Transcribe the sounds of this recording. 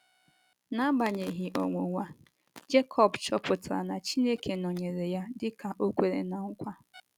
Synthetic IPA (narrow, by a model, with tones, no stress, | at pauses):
na˦ɡ͡ba˨ɲe˨ɦi˨ʔo̰˨ŋʷo˨ŋʷa˦ | d͡ʒe˦kʰɔ˨bt͡ʃɔ˦pʊ˨tɾa̰˨na˨t͡ʃi˦ne˦kʰe˨nɔ˨ɲe˨ɾe˨ja˦dɪ˦ka˨ʔo˦kʷe˨ɾḛ˨na˨ŋ̩˦kʷa˦